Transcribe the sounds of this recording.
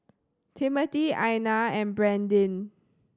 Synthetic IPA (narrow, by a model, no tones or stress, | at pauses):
tʰimətiajnaɛ̃nbɹɛ̃ndĩn